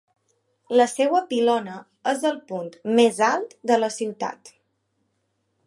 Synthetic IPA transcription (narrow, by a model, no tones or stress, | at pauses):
ləsewəpilɔnə | əzðəlˠpunt̪mezalˠt̪d̪ələsiwt̪a̰t̪